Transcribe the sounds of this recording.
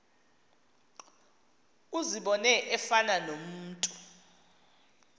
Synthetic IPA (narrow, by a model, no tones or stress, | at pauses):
uziɓɔnɛʔɛfananom̩ːtʼu